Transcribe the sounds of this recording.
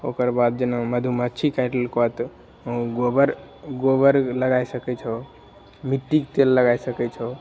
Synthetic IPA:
okəɾbad̪̚d͡ʒənoməd̪ʱumət͡ʃʰikajʈəlkɔt̪ | ɡobəɾɡobəɾləɡaisəkɛt͡ʃʰɔ | miʈːikt̪elːəɡajsəkɛt͡ʃʰɔ

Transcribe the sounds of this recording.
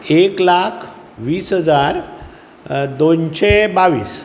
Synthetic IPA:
eklakʰ | ʋiːsɦəd͡zaɾ | d̪onɕebaʋḭːs

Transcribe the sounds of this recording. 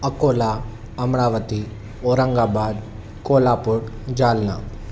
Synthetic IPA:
əkoːla | ɐmɽaːʋət̪i | oːɾəŋɡabaːd̪ | koːlapʊɽ | d͡ʒaːlna̰

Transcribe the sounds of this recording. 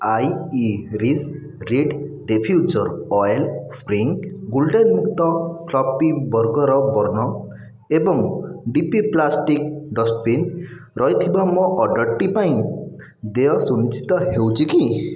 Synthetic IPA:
ajiɾis | ɾiɖɖepʰjud͡ʒɔɾɔelspɾiŋɡulɖenmuk̚t̪ɔkʰlɔpibɔɾɡɔɾɔbɔɾnɔ | ebɔŋɖipiplasʈik̚ɖɔspin | ɾɔɦjt̪ʰibamɔʔɔɖɔʈːipaĩ | d̪eɔsunit͡ʃʰi̥t̪ɔɦewt͡ʃʰiki

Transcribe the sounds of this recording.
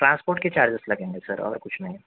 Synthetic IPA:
ʈɾãːnspoːɾʈket͡ʃaːɾd͡ʒəselɐɡẽːŋɡesɐɾɔ̰ːɾkʊt͡ʃʰnɐɦĩ

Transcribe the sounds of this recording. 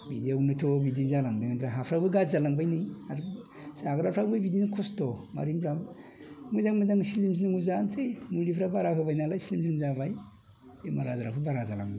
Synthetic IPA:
bidiawnɯtʰobidizalaŋdiŋabɾaɦapʰɾabɯɡazalaŋbajnɯjaɾ | saɡɾapʰɾabɯbidinkʰostɔma̰ɾimbɾabmujzaŋmujzaŋslimsinɯŋuzansemulipʰɾabaɾapʰɯbajnalaislimzinimzabaj | emaɾazaɾapʰɯbaɾazala̰ŋ

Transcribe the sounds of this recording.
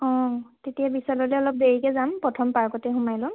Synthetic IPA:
ɔ̃tetijabisalɔlɛɔlɔp̚deɹikɛzampɹɔtʰɔmpaɹkɔtɛɦumajlɔ̃m

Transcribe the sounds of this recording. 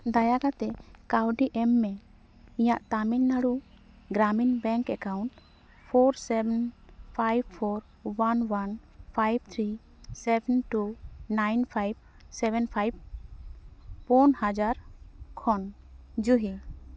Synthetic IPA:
d̪ajaɡat̪ɛkawɖiʔɛmːɛ | ijaʔt̪aminːaɽu | ɡɾaminbɛ̃ŋkɛkawɳʈ | pʰɔɾsɛbɛnpʰajb̚pʰɔɾ | wanwanpʰajb̚t̪ʰɾi | sɛbɛnʈunajnpʰajb̚ | sɛbɛnpʰajb̚ | pɔnhad͡ʒaɾkʰɔn | d͡ʒuɦe

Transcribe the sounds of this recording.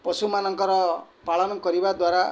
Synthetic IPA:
pɔsumanɔŋkɔɾɔ | paɭɔnɔkɔɾibad̪waɾa

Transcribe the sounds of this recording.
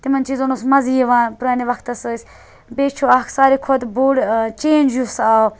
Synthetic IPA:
t̪imɐnʲt͡ʃizonusmɐzieʋaːnpuɾaːniʋɐkʰt̪ɐsɨsʲ | beːt͡ʃʰoːaksaːɾikʰod̪buːɽt͡ʃeːnd͡ʒusaː

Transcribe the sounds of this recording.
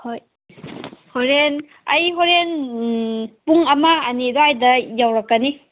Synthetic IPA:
hoj | hoɾen | ɐ̰jɦoɾen | puŋɐmaːnidoajdɐjawɾakːani

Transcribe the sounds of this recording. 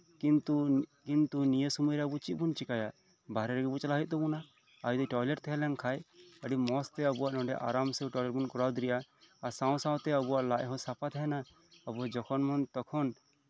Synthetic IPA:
kint̪ukint̪unijəsumujɾɛəbut͡ʃiʔbunt͡ʃikajaʔ | baɾɛɾɛɡɛbut͡ʃalaɦit̪̚t̪ɔbuna | ajd̪ɔʈɔjleʈt̪ɛɦɛlɛnkʰajəɽimɔst̪ɛəbuaʔnɔ̃ɖɛʔa̰ɾamsɛʈɔjlɛʈ̚bunkɔɾawd̪ɾɛjaaɾsãw̃sãw̃t̪ɛəbuaʔlaʔɦɔ̃sapat̪ʰɛna | əbuɦɔ̃d͡ʒɔkʰɔnmɔnt̪ɔkʰɔn

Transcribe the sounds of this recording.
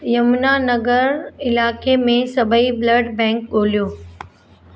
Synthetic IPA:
jɐmnanɐɡəɾɪlaːkemẽsɐbʱəibləɖbɛ̃ːk̚ɠoːlijoː

